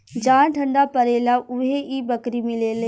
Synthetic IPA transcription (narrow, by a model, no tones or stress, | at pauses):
d͡ʒaːnʈʰəɳɖaːpəɾeːlaːʔʊɦeʔiːbəkɾimɪleːleː